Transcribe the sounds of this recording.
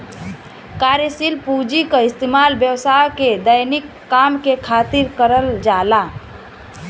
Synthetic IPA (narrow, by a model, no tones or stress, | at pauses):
kaɾjəsilpud͡ʒikəist̪emalbjəwsajked̪əjnikːamkekʰat̪iɾkəɾəld͡ʒala